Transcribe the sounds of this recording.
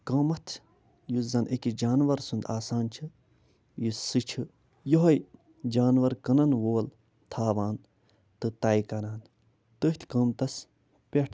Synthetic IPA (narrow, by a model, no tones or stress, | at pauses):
kɐmɐt̪ʰ | juzɐnʔekid͡ʒaːnʋɐɾsund̪aːsaːnt͡ʃʰɨ | jusɨt͡ʃʰɨ | joɦɐj | d͡ʒaːnʋɐɾkɐnɐnʋoːl | t̪ʰaːʋaːn | t̪ɨt̪aːjkɐɾaːn | t̪ɨht̪ʰkɐːmt̪ɐs | pʲeʈʰ